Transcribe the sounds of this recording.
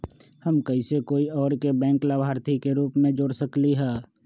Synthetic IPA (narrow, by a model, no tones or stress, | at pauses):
həmkəisekoːiɔːɾkebɛ̃ːŋklabʱaːɾt̪ʰikeɾuːpmẽd͡ʒoːɽsəkliɦɛː